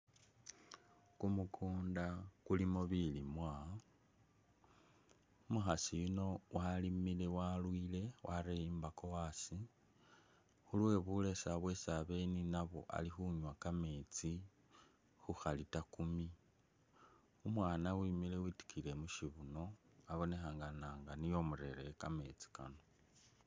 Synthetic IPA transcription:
kumukʰuːndakulimoβilimwa | umuxasijuno̞wʔalimile̞walwile̞wʔaɾejimbako̞wasi | xulwe̞βule̞saβwesaβe̞ninaβo̞̰ʔa̰lixuɲwakame̞ːt͡si | xuxalitakumi | umwaːnawimile̞witi̥kʰile̞muʃiβuno̞ | aβo̞ne̞xaːŋɡanaːŋɡanijo̞muɾe̞ɾekame̞̰ːt͡si̥ka̰no̞

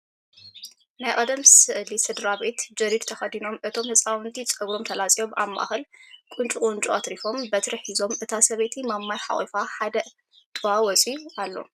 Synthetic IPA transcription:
najʔʼɐd̪ɐmsɨʔlisɨd̪ɾabe̞t̪d͡ʒɐɾid̪t̪ʰɐxɐd̪ino̞mʔɨt̪ʰo̞mhɨt͡sʼawɨnt̪ʰit͡sʼɐɡɾo̞mt̪ʰɐlat͡sʼijo̞ma̰mːʔa̰xɨlkʼunt͡ʃʼukʼʊnt͡ʃʼuat̪ɾifo̞mbɐt̪ʰɾɐħizo̞mʔɨt̪ʰasɐβet̪ʰimamːajħa̰χʼḭfaħad̪ɐ | t̪ʰɨwawɔt͡sʼiualːo̞̰

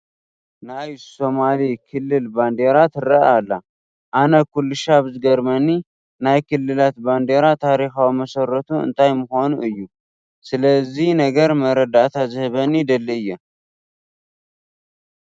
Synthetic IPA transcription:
najso̞malikʰɨlːɨlband̪eɾat̪ʰɨɾəʔalːa | ʔanəkulːɨʃaβɨzɡəɾməni | najkɨlːɨlat̪band̪eɾat̪ʰaɾixawməsərːət̪ʰuɨ̰nt̪ʰajməho̞nuʔɨjːu | sɨləzːihnəɡəɾməɾəd̪at̪ʰazɨhɨβənid̪əlːɨjɛ

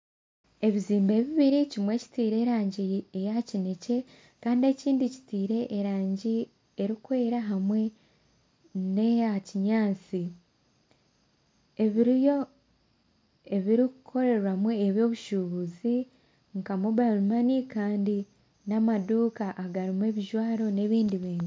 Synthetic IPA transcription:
e̞βiziːmbe̞ːβiβiɾicimwe̞ːci̥tiːɾe̞ːɾaːɲɟiejacine̞ce̞ | kaːndie̞ciːndici̥tiːɾe̞ʔːɾaːɲɟi | e̞ɾikwe̞ːɾaɦamwe̞ | neaciɲaːt͡si | eβiɾijo | e̞βiɾikukʰo̞ɾe̞ɾwamueβjo̞ːβuʃuβuzi | ŋkamuβalumanikaːndi | namaduːkaʔaɡaɾimwe̞βiʒwaːɾo̞ne̞βiːndiβiːnzi

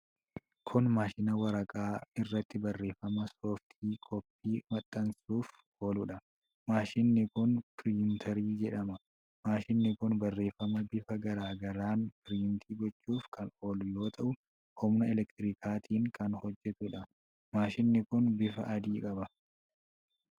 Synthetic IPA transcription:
kʰʊnmaːʃɪnɐwɐɾɐkʼaːɪrːɐt̪ːɪbɐrːe̞ːfːɐmɐsoːft̪ʰiːkʼɔpːiːmɐt̪ʼːɐnsuːf | oːlʊᶑɐ | maːʃɪnːɪkʊnpɪɾɪʊnt̪ʰɐɾiːd͡ʒɛᶑɐmɐ | maːʃɪnːɪkʊnbɐrːe̞ːfːɐmɐbɪfɐɡɐɾaːɡɐɾaːnfɪɾiːnt̪ʰiːɡɔt͡ʃːuːfkʰɐnoːlʊjo̞ːt̪ʰɐʔʊ | ʔɔmnɐɛlɛkt̪ɪɾikʰaːt̪ʰiːŋkɐnhɔd͡ʒːɛt̪ʊᶑɐ | maːʃɪnːɪkʊnbɪfɐʔɐd̪iːkʼɐbɐ

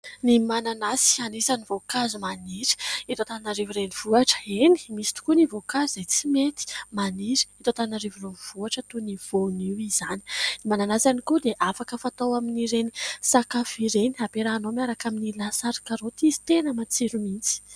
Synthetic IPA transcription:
nimananasi̥anisanivokazumaniɾi̥it̪ot̪annaɾiviɾeniv̥uaʈ͡ʂə̥eni̥misi̥t̪u̥kunivokazizajt͡simet̪i̥maniɾi̥it̪ot̪anaɾivureniv̥uaʈ͡ʂət̪univ̥oniwizani̥nimananasanikud̪eʔafakəfat̪awaminiɾenisakafiɾeniapeɾaːnomaɾakaminilasaɾkaɾot̪izi̥t̪enəmat͡siɾumint͡si̥

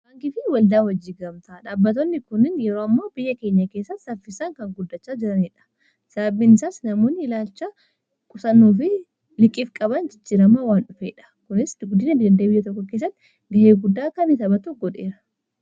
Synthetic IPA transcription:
baːŋkɪfɪwɐld̪aːwɐd͡ʒːiːɡɐmt̪aᶑaːbːɐt̪onːɪkʊnɪnjɛɾoːɐmːoːbɪjːɐke̞ːɲːɐkeːsːɐt̪sɐfɪsaŋkɐŋɡʊd̪ːɐt͡ʃːaːd͡ʒɪɾɐniᶑɐ̥ | sɐbɐbɪnsaːsnɐmuːnːɪɪlaːlt͡ʃːɐ | kʼʊsɐnːuːfɪ | lɪkʼːiːfkʼɐbɐnd͡ʒɪt͡ʃːiːɾɐmawaːnᶑʊfeːᶑɐ̥kʊnɪsɡʊd̪ɪnɐd̪ɐnd̪ɐbɪjːɐt̪̬ɔkːɔkeːs̬ːɐt̪ːɪ | d̪ɐheːɡʊd̪ːaːkɐnɪt̪ɐbɐt̪uɡɔᶑeːɾɐ

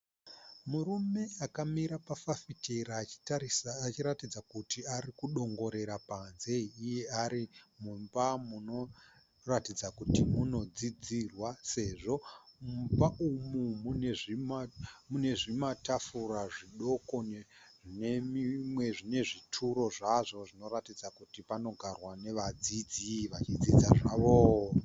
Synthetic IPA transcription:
murume̞akamiɾapafafiteɾaːt͡ʃi̥taiːt͡ʃiɾatid͡zakutiarikuɗo̞ŋɡo̞ɾe̞ɾapanze̞iije̞aɾimumbamuno̞ | ratid͡zakutimuno̞d͡zid͡zirwase̞ʐo̞mumbaʔumumuneʐimmune̞ʐimatafuraʐiɗo̞ko̞ne | ʐinemimwe̞ʐine̞ʐitʰuɾo̞ʐaʐo̞ʐino̞ɾatid͡zakutipano̞ɡʱarwane̞ʋad͡zid͡ziʋat͡ʃid͡zid͡zaʐaːʋo

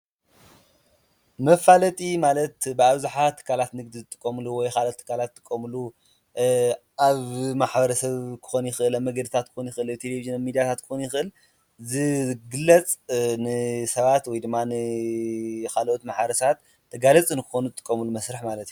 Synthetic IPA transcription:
mɐfalɐt̪ʼimalɐt̪bɨaβzaħat̪ʰːɨ̥kʰalat̪nɨɡ̚d̪izɨt̪ʼɨkʼːɐmluwɔjkʰalʔot̪ʰːɨ̥kʰːalat̪ʼːɨkʼːɐmulu | aβmaħbɐɾɐsɐβkʰɨ̥xonjɪxɨʔɨlaβmɐɡɐd̪ɨt̪ʰat̪̚kʰɨ̥xonjɪxɨʔɨlat̪ʰeleviʒɨnamid̪ijat̪ʰat̪̚kʰɨ̥xonjɪxɨʔɨl | zɨɡɨlːɐt͡sʼnɨsɐβat̪wɔjd̪ɨmːanɨ | kalʔot̪maħbɐɾɐsɐat̪ʰː | ɐɡalɐt͡sʼɨnkʰɨxonuzɨt̪ʼɨkʼːɐmulumɐsɾɨħmalɐt̪ju

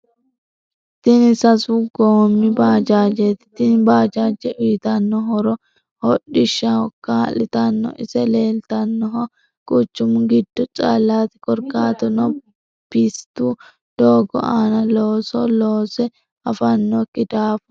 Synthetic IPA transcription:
t̪ːɪnɪsɐsuɡoːmːɪbaːd͡ʒaːd͡ʒet̪ɪ̥t̪ːɪnbaːd͡ʒaːd͡ʒɛʔʊjɪt̪ɐnːɔɦɔɾɔ | hɔɗɪʃːɐɔkːalɪt̪ɐnːɔ̰ʔɪ̰sɛleːlt̪ɐnːɔɦɔ | kʼʊt͡ʃːʊmʊɡɪd̪̥ːɔt͡ʃʼa̰ːlːaːt̪ɪkʼɔɾkaːt̪ɔnɔ | pɪst̪u | d̪̥oːɡɔ̰ʔaːnɐloːsɔloːsɛ | ɐfɐnːɔkːɪd̪aːfʊ̥

